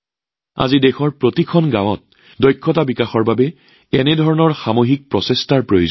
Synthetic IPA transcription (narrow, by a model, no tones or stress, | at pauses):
a̰zidɛxɔɹpɹotikʰɔnɡãwɔt̚ | dɔjkʰːɔtabikaxɔɹbabɛ | ɛnɛdʱɔɹɔnɔɹxamoɦik̚pɹɔsestaɹpɹojoz